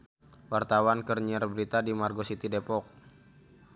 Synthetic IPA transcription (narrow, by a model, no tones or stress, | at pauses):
wart̪awankərɲiərbɾit̪adimarɡosit̪idepɔk̚